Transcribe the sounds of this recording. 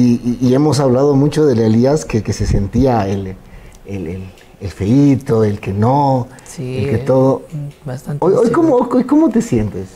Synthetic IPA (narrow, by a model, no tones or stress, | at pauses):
iːe̞mo̞saβlaðo̞mut͡ʃo̞ðe̞leliaskekese̞se̞nt̪iael | elel | elfe̞it̪o̞e̞lke̞no | selket̪o̞ðo̞sojojkomoojkojko̞mo̞t̪e̞sje̞nt̪es